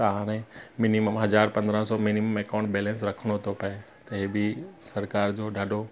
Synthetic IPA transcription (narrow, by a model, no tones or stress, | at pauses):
ɐɦãːñẽmɪniməmɦɐzaːɾpɐ̃nd̪ɾãsɔmɪniməmeːkãːɳʈbeːlẽːns̬ɾɐkʰɽ̃ot̪ʰopɐe | t̪ɐɦebʱisɐɾkaːɾd͡ʑoːɖʱaːɖo